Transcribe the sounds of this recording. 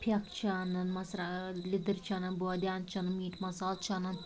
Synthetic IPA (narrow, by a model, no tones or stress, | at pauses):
pʰjɐkt͡ʃʰaːnɐnmɐsɾalʲid̪ɨɾt͡ʃʰaːnɐnboɔd̪ʲjaːnt͡ʃʰanɨmiːʈʰmɐsaːlt͡ʃʰaːnɐn